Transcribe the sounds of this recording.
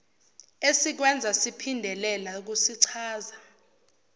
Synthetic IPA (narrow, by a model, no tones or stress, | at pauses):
esik̬wɛnd͡zʱasipʰindʱɛlɛlak̬usiǀʰaːza